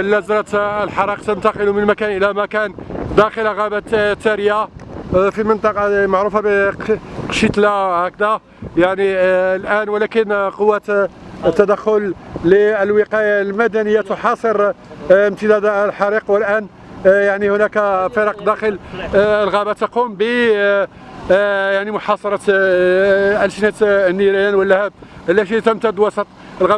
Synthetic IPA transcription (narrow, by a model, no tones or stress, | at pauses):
lːæzənət̪əlħɑɾiqt̪ənt̪ɑqəlumənmækænʔəlæmækænd̪æxəllɣæbat̪t̪ːæɾəja | fimənt̪ˤɑqɑmaʕɾufab | qʃit̪læhækd̪æ | jaʕnilʔænwəlækənqowːæt̪t̪ːæd̪æxːʊlliəlwəqɑjalmæd̪ænəjːat̪oħɑsˤəɾ | mt̪əd̪æd̪lħɑɾiqwəlʔæn | jaʕnihʊnækæfəɾɑqd̪æxələlɣæbæt̪ːɑqumbə | jaʕnimʊħɑsˤɑɾˤɑt̪ | ʔælʃnæt̪nːiɾjænwəlːæhæd̪̚həlːæʃit̪əmt̪æd̪ːwɑsˤɑt̪ˤəlɣæ